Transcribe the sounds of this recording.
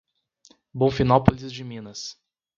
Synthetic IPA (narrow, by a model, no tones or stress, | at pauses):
bõfinawpolizd͡ʒɪmĩnɐs